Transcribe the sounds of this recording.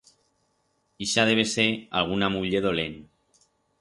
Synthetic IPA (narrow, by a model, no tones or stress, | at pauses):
iʃað̞eβ̞esealɣ̞unamuʎeð̞olen